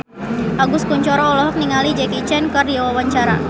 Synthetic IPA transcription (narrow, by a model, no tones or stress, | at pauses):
ʔaɡʊskuɲt͡ʃɔɾɔːlɔɦɔk̚niŋalid͡ʒɛkit͡ʃɛnkərdiawawaɲt͡ʃaɾa̰